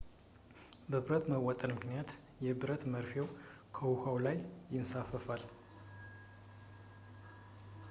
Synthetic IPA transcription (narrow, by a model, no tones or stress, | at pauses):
bəβɨɾət̪məwɔt̪ʼənmɨknijat̪ | jɛbɨɾət̪məɾfew | kʰəwuhawlajːɪnsafəfal